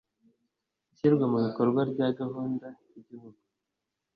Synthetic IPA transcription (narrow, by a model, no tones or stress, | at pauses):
ciɾɡwamuβiko̞ɾɡwaɾɟaɡaɦuːnda | ɟihuɡu